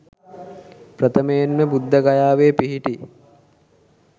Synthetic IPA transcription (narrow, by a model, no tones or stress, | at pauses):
pɾɐt̪ʰəmejenməbud̪ːəɡajaːʋeːpiɦiʈi